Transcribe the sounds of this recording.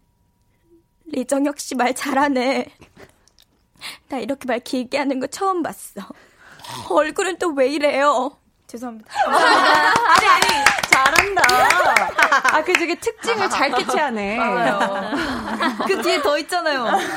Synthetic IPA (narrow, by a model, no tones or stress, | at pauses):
lid͡ʑʌŋjʌk̚ɕ͈imaɭt͡ɕaɾɦane | taiɾʌkʰemaɭkiɡiɦanɯnɡʌt͡ɕʰʌːmbas͈ʌ | ʌɭɡuɾɯnt͈owe̞iɾe̞jo | t͡ɕes̬ʰʌamɲid̥a | aɲiait͡ɕaɾɦanda | akɯd͡ʑeɡetʰɯk̚t͡ɕ͈iŋɯɭt͡ɕaɭk͈et͡ɕʰeɦane | kɯketʌit͡ɕ͈anajo